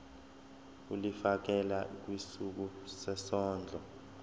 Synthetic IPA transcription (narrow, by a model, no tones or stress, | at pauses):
ulifak̬ɛlak̬wisuk̬usɛsɔːnd͡ɮʱɔ